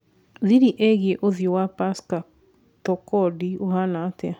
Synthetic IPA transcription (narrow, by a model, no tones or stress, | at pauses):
ðiɾiʔɛɣieʔoðijowapaska | tɔkɔdiohanatɛa